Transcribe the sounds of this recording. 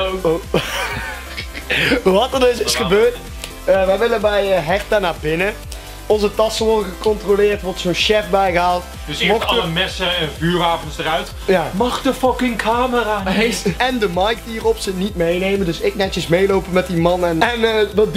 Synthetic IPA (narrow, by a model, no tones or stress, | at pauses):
ʋɑtərdɵsɪsχəbøːɹt | əʋɛjʋɪlənbɛjəɦɛrtanaːbɪnə | ɔnzətɑsəʋɔrdəɣəkɔntrolɪːrtʋɔɹtsoːnʃɛfbɛjɣəɦaːlˠt | dsmɔxəmɛsəɛnvyːraːvɔnsdərœɥt | jaːmɑxtəfɑkɪŋkʰaːməraːɛndəmɑjk̚tiːrɔpsənitmejnejməndɵsɪk̚nɛəsmejlowpəmɛtdimɑnɛnɛnʋəd